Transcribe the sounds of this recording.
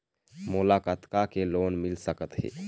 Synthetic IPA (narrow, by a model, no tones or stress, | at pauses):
mulakət̪kakelonmilsəkət̪ɦḛ